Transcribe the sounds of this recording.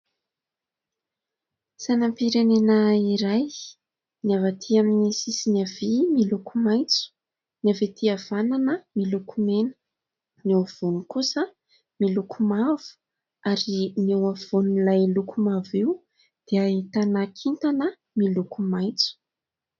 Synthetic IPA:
sanampiɾenenəiɾaj | niavat̪ʰiaminisisinavimilukumajt͡su̥ | navet̪ʰiav̥ananəmilukʰumenə̥ | newav̥unikusə | milukʰumavu̥ | aɾinewav̥unlajlukumaviu | d̪̥eaɦit̪anakʰint̪anə | milukumajt͡su̥

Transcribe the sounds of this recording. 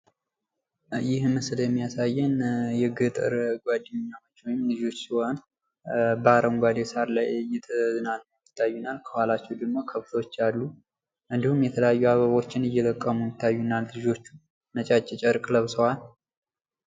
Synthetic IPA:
jɪhmɨsɨljɛmːijasajːɛnjɛɡɨt̪ʼɨ̰ɾɡʷad̪ɨɲɲːawot͡ʃːwɔjɪmlɨd͡ʒo̞t͡ʃːsiwon | baɾəmɡʷad̪esaɾlajɨjɛt̪ʰəzɨnalːəwjɪt̪ʰːajːunalkʰəhʷalat͡ʃːɛwd̪əɡmo̞kʰəft̪ʰwot͡ʃːalːu | ʔɨnd̪ihumjɛt̪ʰələjajːuaβəβo̞t͡ʃːɪnɨjːɛt̪ʼəkʼːəmujɪt̪ʰːajːunallɨd͡ʒo̞t͡ʃːu | nət͡ʃʼat͡ʃʼːɛt͡ʃʼəɾkʼləβsəwal

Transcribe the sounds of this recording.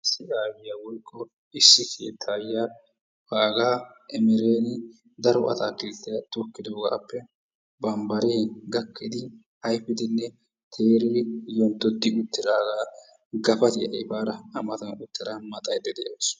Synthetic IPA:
sɪʔaːwɪjaːwɔjkʼːɔ | ɪsːɪkʰe̞̰ːt̪ʰːaːjːaː | haːɡaː | ʔɛmɛɾeːnɪ | d̪ɐɾɔʔɐ̰t̪aːkeːt̪ːɪjɐt̪ɔkːɪd̪oːɡa̰ːpːɛ | bɐmbɐɾeːɡɐkːɪd̪ɪ | hɐjfɪd̪ɪnːɛ | t̪ʰe̞ːɾiːjɔnt̪ːɔd̪ːɪʊt̪ːɪɾaːɡaː | ɡɐfɐt̪ɪjɐʔɪbaːɾɐɐmɐt̪ɐnʊt̪ːɪɾamɐt̪ʼɐjd̪ɛd̪ɛjos

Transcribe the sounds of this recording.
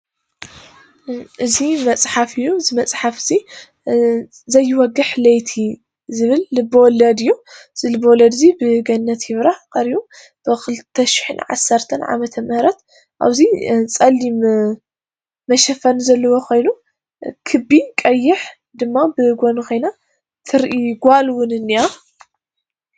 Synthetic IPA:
ʔɨzimɐt͡sʼħafɨjːuɨzimɐt͡sʼħafzi | zɐjːɪwɔɡɨħlɐjt̪ʰi | zɨβɨlːɨbːɐwɔlːɐd̪ɨjːuz̥ɨlɨbːɐwɔlɐd̪ɨzibɨɡɐnːɐt̪hɪβɾakʼɐɾiju | b̥ɨkʰɨlt̪ʰːɐʃi̥ħɨnʕa̰sɐɾt̪ʰɐnʕa̰mɐt̪ʰɐmɨhɾɐt̪ | ʔa̰βzit͡sʼɐlːi | mɐʃɐfɐnzɐlːɐwokʰo̞jnu | kʰɨbːikʼɐjːɪħ | d̪ɨmːabɨɡʷonɨxʰo̞jna | t̪ʰɨɾʔiɡʷalwʊnɨnːiʔa

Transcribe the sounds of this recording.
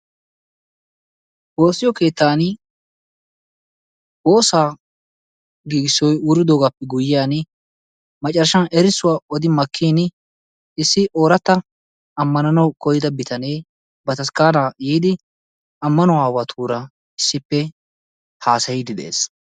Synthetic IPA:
bo̞ːsːɪjɔke̞ːt̪ːaːn | bo̞ːsaː | ɡiːɡɪsːɔjʊɾɪd̪oːɡaːpːɛɡʊjɪjaːn | mɐt͡ʃʼːɐɾʃɐnɛɾɪsʊwaːɔd̪ɪmɐkʰːiːn | ɪsːɪʔo̞ːɾɐt̪ːɐ | ɐmːɐnɐnɐwkɔjɪd̪ɐbɪt̪ʰɐne̞ː | bɐt̪ɐskaːnaːjiːd̪ɪ | ɐmːɐnɔwaːwaːt̪ʰuːɾɐ | ɪsːɪpːɛ | haːsɐjɪd̪ɪd̪ḛḛːs

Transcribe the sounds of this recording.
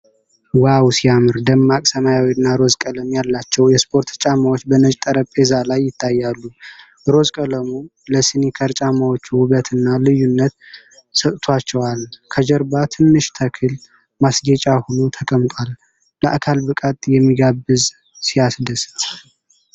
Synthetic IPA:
wawsijamɨɾd̪əmːakʼsəmajawnːaɾo̞zkʼələmjalːat͡ʃːɛwjɛspʰo̞ɾt̪t͡ʃʼamawot͡ʃːbənət͡ʃʼt̪ʼəɾəpʼezalajːɪt̪ʰːajːalːu | ɾo̞zkʼələmu | ləsinikʰəɾt͡ʃʼamawot͡ʃːuwʊβət̪ʰɨnːalɨjːunːət̪ | sət̪ʼt̪ʰwat͡ʃːɛwalkʰəd͡ʒəɾbat̪ʰɨnːɨʃt̪ʰəkʰɨl | masɡɛt͡ʃʼahonut̪ʰəkʼəmt̪ʼal | ləʔa̰kʰalbɨkʼat̪ʼjɛmːiɡabːɨz | sijasd̪əst̪

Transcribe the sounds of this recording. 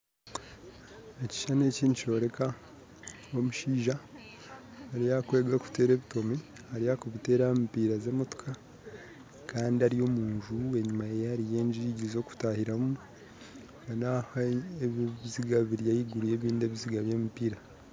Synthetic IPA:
eci̥ʃane̞ːciːndut͡ʃo̞ɾe̞ka | wo̞muʃiːʒa | ɾijakwe̞ːɡaku̥te̞ːɾe̞ːβito̞mi | haɾijakoβite̞ːɾampiːɾaze̞ːmoto̥kʰa | kaːndiaɾijo̞muːnʒue̞ɲumajeaɾije̞ːɲʒiɾiɟizo̞ku̥tahiɾamu | kanahaeββiziɡaβiɾijajiɡuɾuje̞ːβiːnde̞ːβiziɡaβeːmipiːɾa

